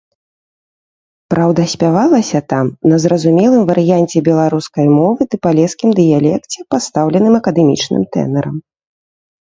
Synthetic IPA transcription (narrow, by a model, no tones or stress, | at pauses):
pɾʔawd̪ɐsʲpʲavalˠɐsʲɐt̪amnɐzɾɐzumʲɛlˠɨmvɐɾɨjanʲt͡sʲɛbʲɛlˠaɾuskɐjmɔvɨd̪ɨpalʲɛskʲimd̪ɨjalʲɛkt͡sʲɛpast̪awlʲɛnɨmɐkɐd̪ɛmʲḭt͡ʂnɨ̰mt̪ɛ̰nɛɾɐm